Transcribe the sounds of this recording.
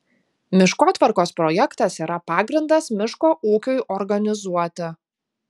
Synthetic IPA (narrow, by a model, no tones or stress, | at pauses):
mʲɪʃkoːt̪ʋɐɾkoːspɾɔjɛkt̪ɐsiːɾʔɐpɑːɡɾʲɪnd̪ɐsmʲɪʃkoːʔuːkʲʊjʔɔɾɡɐnʲɪzuɔt̪ʲɪ